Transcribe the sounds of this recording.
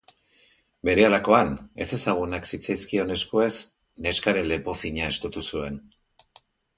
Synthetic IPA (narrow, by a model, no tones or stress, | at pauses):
be̞ɾe̞alako̞ane̞se̞saɣ̞unaksit͡sajskio̞ne̞skoe̞s | ne̞skaɾe̞le̞po̞θiɲae̞st̪ut̪usue̞n